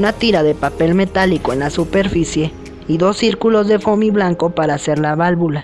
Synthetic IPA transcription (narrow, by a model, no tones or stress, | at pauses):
unat̪iɾaðepape̞lmet̪alikoenlasupeɾfisje | iðo̞sːiɾkulozðefomiβlaŋkopaɾaːseɾlaβalβula